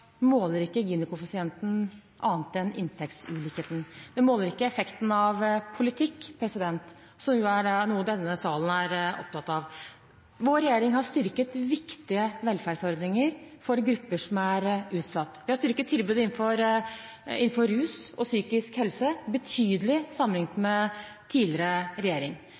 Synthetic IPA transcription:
moːləɾɪkːəɡeːnɪkʊpɑsɪɛnt̪n̩ | ʔɑːnət̪̚d̪ɛnɪ̰nt̪ʰɛk̚t̪sʉːlɪkeːt̪n̩d̪ɛmoːləɾɪkːəɛfɛkt̪n̩ɑʋpʰʊlɪt̪ʰɪkːpʰɾɛsɪd̪ɛnt̪ | sɔmuæɖɛnuːəd̪ɛnːəsɑːln̩æɾɔ̰p̚t̪ʰɑt̪ːɑʋ | ʋoːɾɛjeːɾɪŋhɑʂt̪ʏɾkət̪ʋɪkt̪ɪəʋɛlfæːɖsɔɾd̪nɪŋəɾfɔɾɡɾʉpːəʂɔmæɾʉːt̪sɑt̪ːʋɪhɑst̪ʏɾkːət̪ʰːɪlbʉːd̪əɪnfɔɾ | ɪ̰n̩fɔɾʉːsɔsyːkɪskhɛlsəbət̪ʰyːd̪əlɪsɑmlɪŋt̪mɛt̪ʰiːlɪɾəɾɛjeːɾɪŋ

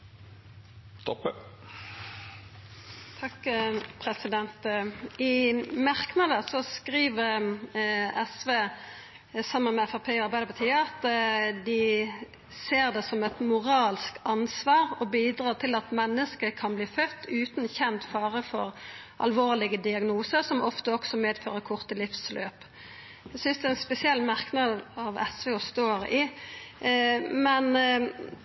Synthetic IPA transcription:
st̪ɔp | t̪ʰɑkpʰʁɛsɪd̪ɛnt̪ɪmɑʁknɑd̪əsɔskʁiːʋəʁ | ɛsʋeː | sɑmːənmɛɛfæʁpʰeːɔɑɾbæɪd̪əpɑt̪ʰiːɑɑt̪d̪ɪ | seːʁd̪ɛsɔmɛt̪mʊʁɑːlskɑnsʋɑːɾɔbiːd̪ɾɑːt̪ʰɪlɑt̪mɛnːəskəkʰɑnbliːfœt̪ːʉːt̪n̩çɛnt̪fɑːʁəfɔ̰ʁ | ʔɑ̰lʋoːʁlɪɡəd̪ɪɑɡnuːsəsɔmɔft̪əɔksɔmeːd̪føːʁəkʰʊʁt̪əlɪfslø̰ːp | æsʏnsd̪ɛɛnspɛsɪɛlːmɑʁknɑːd̪ɑʋɛ̰sʋeːɔst̪oːɾɪ | mɛn

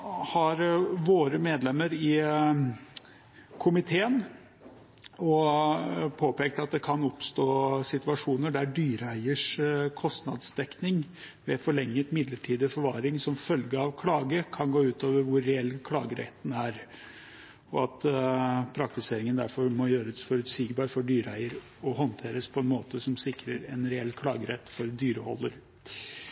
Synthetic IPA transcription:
hɑɾʋoːɾəmeːd̪lɛmːəɾɪ | kʰʊmɪt̪ʰeːən | ɔ | pʰoːpeːk̚t̪ɑt̪̚d̪ɛkʰɑnɔpst̪oːsɪt̪ʉɑʂuːnəɖæɖyːɾəæɪəʂkʰɔst̪nɑ̰d̪sd̪̥ɛknɪŋ | ʋɛfɔɭɛŋːət̪mɪd̪ləʈʰiːd̪əfɔɾʋɑːɾɪŋsɔmfœlɡəɑʋkʰlɑːɡəkʰɑnɡoːʉːt̪oːʋəɾʋʊɾːɛɛlːkʰlɑ̰ːɡəɾʔɛ̰t̪ːn̩æɾ | ɔɑt̪pʰɾɑkt̪ɪseːɾɪŋənd̪æɾfɔɾmɔjøːɾəsfɔɾʉt̪siːɡbɑːɾfɔɖyːɾæɪəɾ | ɔɦɔnt̪ʰeːɾəspʰɔɛnmoːt̪əsɔmsɪkɾəɾɛnɾɛɛlːkʰlɑːɡəɾɛt̪ːfɔɾd̪yːɾəhɔ̰lːəɾ

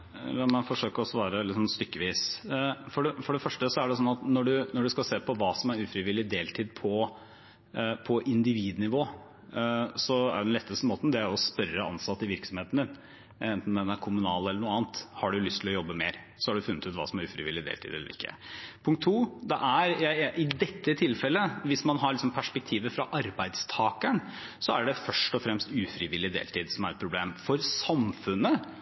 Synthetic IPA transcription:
ɛmɛnfɔʂøːkəɾɔsʋɑːɾəlɪsɔmst̪ʏkːəʋiːsfɔɖɛfɔɖɛfœʂʈəsɔæɖɛsɔnːɑt̪nɔɖʉnɔɖʉskɑlseːpʰɔʋɑːsɔmæɾʉːfɾɪʋɪlːɪd̪eːlt̪ʰiːd̪̚pʰɔ | pʰɔʔɪnd̪ɪʋiːd̪nɪʋoː | sɔæɾɛd̪ɛnɛt̪ːəst̪əmoːt̪nd̪ɛæɔspœɾəɑ̰nsɑt̪ːɪʋɪɾksɔmheːt̪nd̪ɪn | ɛnt̪nd̪ɛnæɾkʰʊmʉnɑːlɛləɳuːəɑːnt̪hɑɖʉjʊlʏst̪ʰɪlɔjɔbːəmeːɾ | sɔhɑɖʉfʉnːət̪ʉːt̪ʋɑ̰ːsɔmæɾʉːfɾɪʋɪ̰lːɪd̪ḛːlt̪ʰiːd̪ɛ̰ləɾɪkʰːə̰pʰʊŋk̚t̪ʰːuːd̪ɛʔæɾjæɪʔɪd̪ɛt̪ʰːət̪ʰɪlfɛlːəʋɪsmɑnɦɑɭɪksɔmpʰæʂpɛk̚t̪ʰiːʋəfɾɑʔɑɾbæɪd̪st̪ʰɑːkæɳsɔæɖɛfœʂʈɔfɾɛmst̪ʉːfɾɪʋɪlːɪd̪ḛːlt̪ʰiːd̪sɔmæɾɛt̪pʰɾʊbleːmfɔɾsɑmfʉnːə

